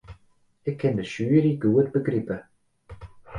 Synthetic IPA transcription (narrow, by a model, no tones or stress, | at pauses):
ɪkʰɪndəʃuːɾiːɡuːəd̪bəɡɾɪbə